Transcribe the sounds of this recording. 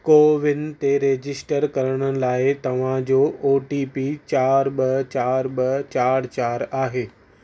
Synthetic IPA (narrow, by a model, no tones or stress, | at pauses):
koːʋɪnt̪eɾeːd͡ʑɪsʈəɾkɐɾəɽ̃ə̆laːɪt̪ɐʋ̤ãd͡ʑoːoːʈiːpit͡ɕaːɾɓɐt͡ɕaːɾɓɐt͡ɕaːɾt͡ɕaːɾaːɦeː